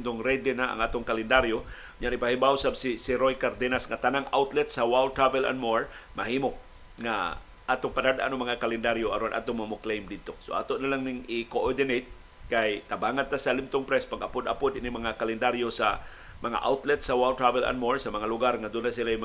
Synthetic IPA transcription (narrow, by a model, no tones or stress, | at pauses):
t̪oŋɾɛd̪ɛnaɐ̰ŋʔaːt̪oŋkalɛnd̪aɾjo | ɲanɪpahibawsabsɪsɪɾojkaɾd̪ɛnasŋat̪anaŋʔa̰wt̪lɛt̪sɐwawldt̪ɾavɛla̰nmoɹmɐɦiːmo | ŋa̰ | ʔaːt̪oŋpad̪ad̪ʔa̰noŋmɐŋakalɛnd̪aɾjoʔɐɾonʔa̰ːt̪oŋmɐmoklejmd̪ɪd̪̚t̪osoʔa̰ːt̪oʔnalaŋnɪŋɪkoʔoɹd̪ɪnejt̪̚ | kajt̪abaːŋant̪asɐlɪmt̪oŋpɾɛspaɡɐpod̪a̰pod̪ʔɪnɪmɐŋakalɛnd̪aɾjosa̰ | mɐŋa̰ʔa̰wt̪lɛt̪sɐwawlt̪ɾavɛla̰nmoɹsɐmɐŋalʊɡaɾŋad̪ʊnasɪlajm